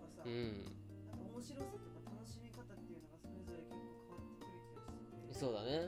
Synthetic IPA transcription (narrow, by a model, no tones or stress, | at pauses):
asaɯ̟̃ɯɴ | nãkaomo̞ɕiɾosat̪okat̪ʰano̞ɕimʲikat̪at̪ːejɯ̟noɡasoɾezoɾakʲekːoːkʰaβat̪ːekɯ̟ɾɯ̟kʲioɕi̥eso̞ːd̪ane̞